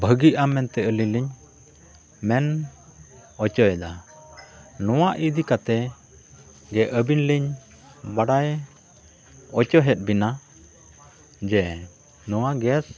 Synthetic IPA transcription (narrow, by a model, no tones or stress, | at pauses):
bʱəɡiʔamɛnt̪ɛəliliɲ | mɛn | ɔt͡ʃɔjɛd̪a | nɔwaʔid̪ikat̪ɛ | ɡɛʔəbinliɲ | baɽaj | ɔt͡ʃɔɦɛt̪̚ˀbina | d͡ʒɛ | nɔwaɡɛs